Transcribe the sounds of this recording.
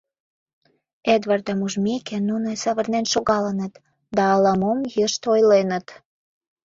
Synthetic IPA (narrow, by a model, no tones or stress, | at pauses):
ed̪βɑrd̪ɑmuʒmekenunesɑβərnenʃoɣɑlənə̆t̪ | d̪ɑːlɑmomjəʃt̪ojlenə̆t̪